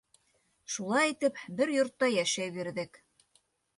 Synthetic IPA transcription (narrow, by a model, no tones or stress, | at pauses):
ʃulˠɑjit̪ɘpbɘɾjŏɾt̪ːɑjæʃæjβiɾðɘk